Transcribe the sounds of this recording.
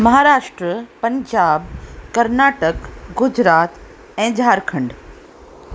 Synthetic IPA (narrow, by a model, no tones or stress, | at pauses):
mɐɦaːɾaːʃʈɾəpɐ̃ɲd͡ʑaːbkɐɾnaːʈəkɡʊd͡ʑɾaːt̪ | ɛ̃ːd͡ʑʱaːɾkʰɐ̃ɳɖ